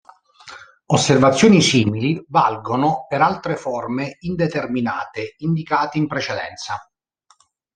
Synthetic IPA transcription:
osːervat̪sːjoːnisiːmilivalɡonopeɾalt̪ɾefɔrmeind̪et̪ermina̰ːt̪eind̪ikaːt̪eimpɾet͡ʃed̪ɛ̰nt̪sa

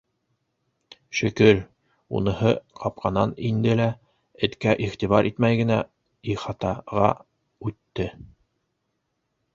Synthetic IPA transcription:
ʃɵ̆kɵɾ | ṵnɤ̆hɤqʰɑp̚qɑnɑnind̪ɘlæ | ɘ̆t̪kæʔiʁt̪iβɑɾʔit̪mæjɡɘ̆næ | iχɑt̪ɑʁɑ̰ | ʉt̪ːɘ

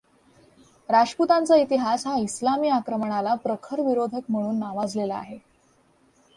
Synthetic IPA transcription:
ɾaʂput̪ant͡sait̪iɦasɦaislamiːakɾəməɳ̃alapɾəkʰəɾʋiɾod̪ʱək̚m̤əɽ̃uːnːaʋad͡zlelaa̰ɦe

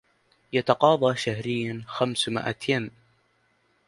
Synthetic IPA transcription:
jat̪ɑqɑːðˤɑːʃahɾɪjːanxamsmɪ̰ʔa̰t̪ʰjam

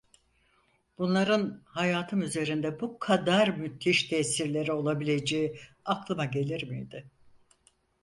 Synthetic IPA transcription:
b̥unlˠaɾɯnhajaːt̪ʰɯmyze̞ɾind̪ɛbukʰad̪aɾmyt̪ʰːiʃt̪ʰɛsiɾlʲe̞ɾio̞lˠabilʲe̞d͡ʒejiaklˠɯmaɟe̞lʲiɾmḭjd̪ɪ

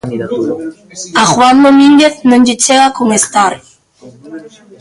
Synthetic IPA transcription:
axwand̪omiŋɡeθnõnd͡ʒit͡ʃeɣakoŋest̪aɾ

